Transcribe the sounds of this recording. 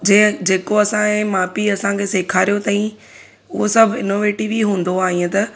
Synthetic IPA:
d͡ʑẽɦd͡ʑeːkoɐsãẽːmaːpiɐsãkʰeːseːkʰaːɾijot̪ɐːĩ | ʊɦosɐbʱɪnoːʋeːʈiʋiɦũːn̆d̪oaːɦĩẽt̪ɐ

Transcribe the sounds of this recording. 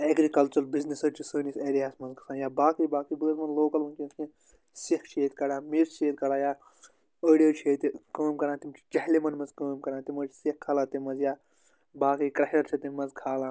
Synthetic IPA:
eɡɾikɐlt͡ʃɐlbiznisɐt͡ʃʰisəːniseːɾijaːsmɐnzɡɐ̥saːjaːbaːkijbaːkibəːɾmɐnloːkɐlmɐnkʲĩkʰĩ | sikt͡ʃeːt̪kɐɽaːmiɾʃeːt̪̚kɐɾaːjaː | əːɖijot͡ʃʰeːt̪ikəːmkɐɾãːt̪imt͡ʃʰi̥t͡ʃɐɦlemɐnmɐnzkəːmkɐɾãːt̪imɐːt͡ʃʰsikkʰːɐlaːt̪imɐnzjaː | baːkijkɾɐhɐɾt͡ʃʰit̪imɐnzkʰaːlãː

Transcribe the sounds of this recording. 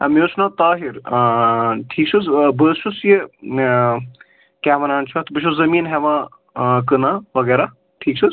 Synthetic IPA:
ɐmjoːt͡ʃʰnaːt̪aːɦiɾ | ʈʰiːk̚t͡ʃʰuzbəːʃusji | kʲaːʋɐnaːnt͡ʃʰɐt̪bɨʃʰuszɐmiːnɦɛʋãː | kɨnaːʋɐɡɛːɾa | ʈʰiːkt͡ʃʰɨ

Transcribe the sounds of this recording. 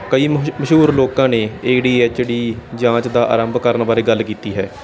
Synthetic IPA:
kəiːməʃɦuːɾloːkãːneːeːɖiːeːt͡ʃːɽiːd͡ʒãːt͡ʃd̪aːʔa̰ːɾəmbkəɾnbaːɾeːɡəlkiːt̪iːɦɛː

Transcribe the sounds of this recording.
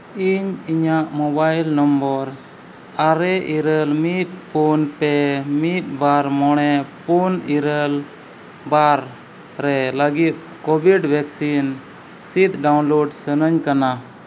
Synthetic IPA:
iɲiɲaʔmɔbajlnɔmbɔɾ | aɾɛʔiɾəlmit̪̚punpɛmit̪̚baɾmɔɽ̃ɛpuniɾəl | baɾ | ɾɛləɡit̪̚ˀ | kɔbiɖbʱɛksin | sit̪̚ɖawnloɖsənəɲkana

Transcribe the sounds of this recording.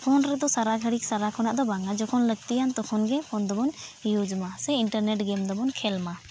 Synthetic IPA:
pʰɔnɾɛd̪ɔsaɾaɡʱəɽik̚saɾakʰɔnaʔd̪ɔbaŋad͡ʒɔkʰɔnləɡ̚t̪ijant̪ɔkʰɔnɡɛpʰɔnd̪ɔbɔnjud͡ʒmasɛiɳʈəɾnɛʈɡɛmd̪ɔbɔnkʰɛlma

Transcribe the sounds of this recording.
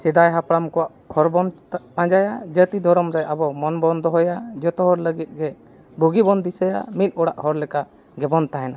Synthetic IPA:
sid̪ajɦapɽamkɔwaʔ | hɔɾbɔnapãd͡ʒajad͡ʒət̪id̪ʱɔɾɔmɾɛʔabɔmɔnbɔnd̪ɔɦɔjad͡ʒɔt̪ɔɦɔɾləɡit̪̚ˀɡɛ | bʱuɡibɔnd̪isəja̰mil̚ˀɔɽaʔhɔɾlɛka | ɡɛbɔnt̪aɦɛna

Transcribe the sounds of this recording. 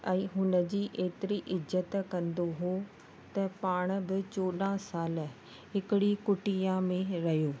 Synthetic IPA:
ɛ̃ːɦʊnə̆d͡ʑiːʔeːt̪ɪɾiʔɪzət̪kɐ̃nd̪oɦoː | t̪ɐpaːɽ̃̆bɪt͡ɕoːɗãsaːl | ɦɪkɪɽikʊʈijãmẽɾɐɦjoː

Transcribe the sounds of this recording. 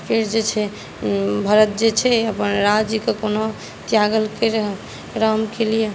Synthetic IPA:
pʰeɾd͡ʒet͡ʃʰɛ | bʱəɾət̪̚d͡ʒet͡ʃʰɛəpənɾad͡ʒikekono | t̪jaɡəlkeɾɦ | ɾəmkelije

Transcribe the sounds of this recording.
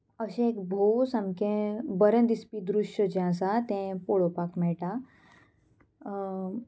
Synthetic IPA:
əɕẽekbʱowsamkẽbəɾẽd̪ispid̪ɾuʂəd͡ʑãs̬at̪ẽpoɭopakmɛʈa

